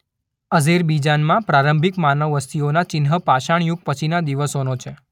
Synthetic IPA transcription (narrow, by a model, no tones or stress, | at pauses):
əzeɾbid͡ʒanmãpɾaɾəmbʱikmanəʋːəst̪ʰionat͡ʃɪnɦəpaʃaɳjuɡ̚pət͡ʃʰinad̪iʋəsonot͡ʃʰe